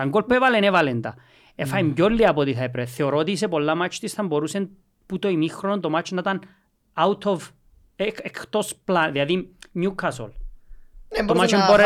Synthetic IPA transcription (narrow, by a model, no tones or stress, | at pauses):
aŋɡolpevalenevalend̪a̰ | efajmɟolːiapot̪iθɐepɾeθeoɾot̪is̬epolːamat͡ʃt̪ist̪ɐmboɾusen | put̪oimixɾonont̪omat͡ʃnat̪an | awt̪ʰov | kɛkt̪osplanðiaðinjukʰːaso̰l | omat͡ʃemboɾe